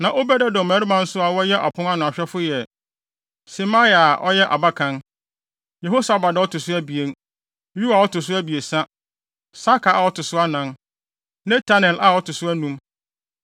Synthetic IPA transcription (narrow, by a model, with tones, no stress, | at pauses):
nã˨ʔo˦bɛ˦dɛ˦dɔ̃˨mæː˨˦ɾi˦bã˦n̩˦sʊ˦a˨wɔ˦jɛ˦ʔa̰˨pʰʊ̃˦n˦ã˦nʊ̃˨a˨ɕᶣɛ˦fʊ˦jɛ˨ | si˨ma˦i˦˨a˨ʔɔ˦jɛ˦ʔa˨ba˦kʰã˦n | je˨ɦo˦sa˨ba˨dɛ˨˦ɔ˦tʰʊ˨sʊ˦æ˦bi˨e˦n˦ | ju˦a˨wɔ˦tʊ˨s̬ʊ˦æ˦bi˨e˨sa˦ | sa˦kʰa˨ʔa˨wɔ˦tʰʊ˨sʊ˦a˦nã˦n | nɛ̃˦tʰa˦nɛ˨lʔa˨wɔ˦tʰʊ˨sʊ˦æ˦nũ˦m